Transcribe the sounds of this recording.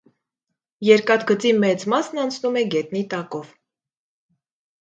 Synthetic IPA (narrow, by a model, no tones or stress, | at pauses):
jɛɾkɑt̪ɡət͡simɛt͡smɑsnɑnt͡sʰnumɛɡɛt̪nit̪ɑkɔv